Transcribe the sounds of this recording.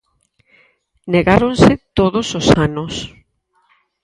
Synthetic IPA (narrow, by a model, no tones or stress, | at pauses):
neɣaɾonsɪt̪oðʊsosanʊs